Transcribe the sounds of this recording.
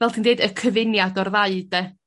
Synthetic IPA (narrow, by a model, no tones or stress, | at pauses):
vɛlˠtʰiːndeːdəkʰəvɪnjadɔrðaɨdɛ